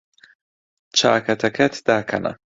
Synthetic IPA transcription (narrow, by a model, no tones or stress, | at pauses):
t͡ʃʰa̰ːkʰɐt̪ʰɐkʰɛt̪ʰd̪aːkʰɐ̰nɐ̰